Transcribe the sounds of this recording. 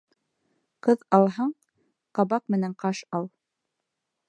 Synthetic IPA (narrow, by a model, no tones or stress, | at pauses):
qɤðɑlˠɦɑɴ | qɑβɑq̚mɘ̆næɴqɑʃɑlˠ